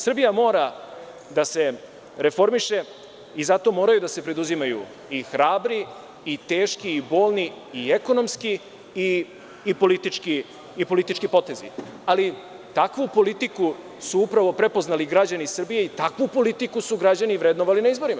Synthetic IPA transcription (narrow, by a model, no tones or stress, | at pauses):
sr̩bijamo̞ːɾa | d̪ase̞ | ɾe̞fo̞ɾmiʃe̞ | izat̪o̞mo̞ːɾajud̪ase̞pɾe̞d̪uzimajṵ | ixɾaːbɾiː | t̪e̞ːʃkiːbo̞ːlni | ieko̞no̞mski | iː | po̞lit̪it͡ʃkiː | po̞lit̪it͡ʃkipo̞t̪e̞zḭ | ali | t̪akʋupo̞lit̪iku | suupɾaʋo̞pɾe̞poznaliɡɾad͡ʑanisr̩bije̞it̪akʋupo̞lit̪ikusuɡɾad͡ʑaniʋɾed̪noʋalinaizbo̞ɾima